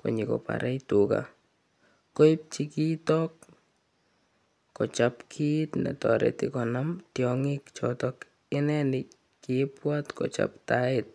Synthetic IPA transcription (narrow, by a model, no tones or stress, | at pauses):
ko̰ɲikopa̰ɾʔɛjtuka̰ | koip̚t͡ʃikitɔk | ot͡ʃapkʰitnɛ̰tɔɾɛ̰tikɔnamtjɔŋikt͡ʃɔtɔk | ɪnɛnɪ | kipwatkot͡ʃa̰ptaɪt̚